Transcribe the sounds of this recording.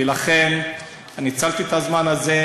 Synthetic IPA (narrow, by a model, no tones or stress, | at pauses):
ilaχe̞n | anit͡salt̪it̪azmanaze̞